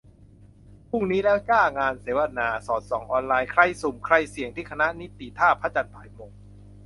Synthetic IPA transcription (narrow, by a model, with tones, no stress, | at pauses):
pʰu˥˩ŋniː˦˥lɛː˦˥wkaː˥˩ŋaː˧nseː˩˦wa˧naː˧sɔː˩˦t̪̚sɔː˩˦ŋʔɔː˧nlaː˧jkʰɾa˧jsu˨˩mkʰɾa˧jsi˨˩əŋt̪ʰiː˥˩kʰa˧na˦˥ni˦˥t̪ːi˨˩t̪ʰaː˥˩pʰːa˦˥t͡ɕa˧npʰaː˨˩jmoː˧ŋ